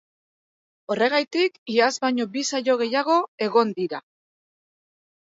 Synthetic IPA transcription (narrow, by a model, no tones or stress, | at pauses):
o̞re̞ɣajt̪ikiazβajɲo̞bisaʎo̞ɣ̞e̞jaɣ̞o̞e̞ɣ̞o̞nd̪iɾa